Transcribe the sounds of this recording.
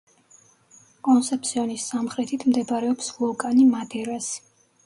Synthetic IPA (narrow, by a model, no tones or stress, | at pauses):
kʼɔnsɛpt̪sʰiɔnisːamχɾɛt̪ʰit̪ʰmd̪ɛbɾɛɔpslˠɔkʼanimad̪ɛɾas